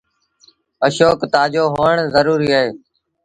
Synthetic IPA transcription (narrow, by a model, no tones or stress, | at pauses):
əʃoːkt̪aːd͡ʒoːɦoːəɳzəɾuːɾiːaːɦeː